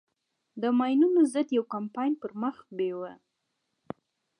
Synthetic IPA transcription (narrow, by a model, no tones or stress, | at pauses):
d̪əmɑjnunozəd̪jawkampɑjnpəɾməxbewa